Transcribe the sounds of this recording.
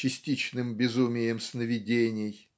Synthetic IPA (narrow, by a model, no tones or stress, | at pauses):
ɪsʲtʲit͡ɕnɨmbʲɪzumʲɪjɪmsnəvʲɪdʲenʲɪj